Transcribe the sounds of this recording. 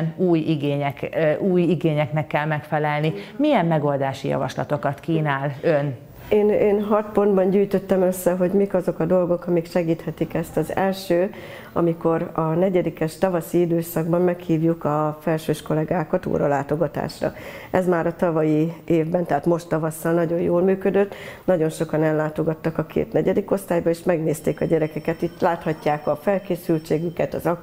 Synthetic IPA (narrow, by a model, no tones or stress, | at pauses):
nuːjiɡeːɲɛuːjiɡeːɲɛknɛkːɛlmɛkfɛlɛlnimijɛmːɛɡo̞ld̪aːʃijɒ̰vɒ̰ʃlɒ̰t̪o̞kɒt̪kiːnaːløn | eːneːnɦɒt̪po̞nd̪bɒɲɟyːjt̪ø̞t̪ːɛmø̞sːɛɦo̞ɟmikɒzo̞kɒd̪o̞lɡo̞kɒmikʃɛɡiːt̪hɛt̪ikɛst̪ɒzɛlʃøː | ɒ̰miko̞ɾɒnɛɟɛd̪ikɛʃt̪ɒvɒsiid̪øːsɒɡbɒmmɛkhiːvjukɒfɛlʃøːʃko̞lɛɡaːkɒt̪o̰ːɾɒlaːt̪o̞ɡɒt̪a̰ːʃrɒ̰ɛzmaːɾɒt̪ɒvɒjieːvbɛnt̪ɛɦaːt̪mo̞ʃt̪ːɒvɒsːɒlnɒɟo̞joːlmyːkød̪øt̪ːnɒɟo̞nʃo̞kɒnɛlːaːt̪o̞ɡɒt̪ːɒkɒkʰḛːt̪nɛɟɛd̪iko̞st̪aːjbɒeːʃmɛɡneːst̪eːkɒɟɛɾɛkɛkɛt̪it̪laːt̪hɒcːaːkɒfɛlkeːsylt͡ʃeːɡykɛt̪ɒ̰zɒ